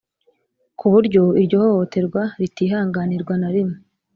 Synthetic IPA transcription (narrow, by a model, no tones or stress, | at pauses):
kʰuβuɾɟo̞iɾɟo̞ːhohote̞ɾɡwaɾitiːɦaːŋɡaniɾɡwanaɾimo